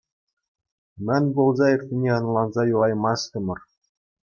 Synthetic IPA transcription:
mænʲbolˠzɑɪ̆kt̪ʲɪ̆nʲeɑnɑlˠɑnzɑjulˠɑjmɑst̪əmɤ̆r

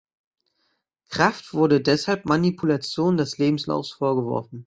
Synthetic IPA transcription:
kʁ̥aftv̥ʊɐɾədɛshalpmanipʰulat͡sjoːndɛsleːbm̩sla̰ʊfsfoːɐɡəvɔ̰ɐfn̩

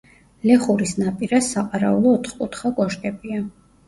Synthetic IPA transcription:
lɛχuɾisnapʼiɾasaqʼaɾa̰ulˠɔːt̪ʰχkʼut̪ʰχaɡɔʃkʼɛbia

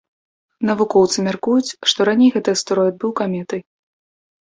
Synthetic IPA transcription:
nɐvukɔwt̪sɨmʲarkujut͡sʲʂt̪ɔɾanʲejɣɛt̪ɨjɐst̪ɾɔjɛd̪̚bɨwkamʲɛt̪ɨj

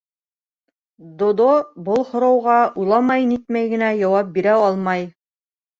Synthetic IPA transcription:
d̪ŏd̪obolˠhŏɾɑwʁɑʔujlˠɑmɑjnit̪̚mæjɡɘ̆næjɑwɑp̚biɾæɑlˠmɑj

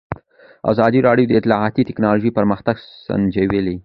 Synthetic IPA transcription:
a̰zɑd̪iɾɑɽjod̪əɪt̪lɑʕat̪it̪ɪknɑloʒəjpəɾməxt̪aɡsa̰nd͡ʒeweli

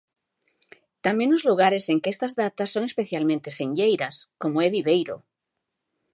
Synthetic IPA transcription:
t̪amjenozluɣ̞aɾeseŋkeest̪azðat̪asːo̞ŋespeθjalmẽnt̪esẽɲʎejɾaskomoeβiβejɾo̰

